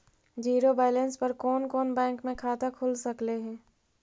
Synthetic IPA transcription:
d͡ʒiːɾobaːlə̃nspɐɾkɔːnkɔːnbɛ̃ːŋkmẽkʰaːt̪akʰʊlsɐkleɦɛ̃ː

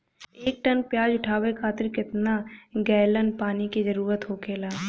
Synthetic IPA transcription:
eːk̚ʈənpjaːd͡ʒʊʈʰaːwekʰaːt̪ɪɾkɪt̪naɡɛːlənpaːnikizɐɾuːɾət̪ɦoːkeːlaː

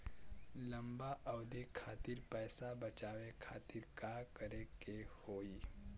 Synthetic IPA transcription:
lɐ̃mbaʔɐʊd̪ekʰaːt̪ɪɾpɛːsabət͡ʃaːʋekʰaːt̪ɪɾkaːkəɾekehoːi

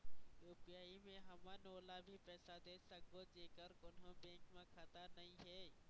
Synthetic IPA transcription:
ɾoːpijaːimẽɦɐmanoːlabʱipɛːsad̪eːsək̚ɡod͡ʒeːkəɾkʊnɦõbẽːkmẽkʰət̪anɐɦĩɦɛː

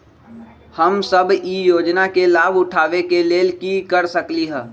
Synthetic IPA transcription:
həmsəbʱijoːd͡ʒnakelaːbʊʈʰaːʋekeleːlkikəɾsəkliɦɛ̃ː

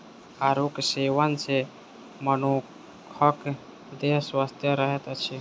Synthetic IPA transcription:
aɾukseʋənse | məno | kʰək | d̪eɦswast̪ʰjəɾəɦet̪ət͡ʃʰi

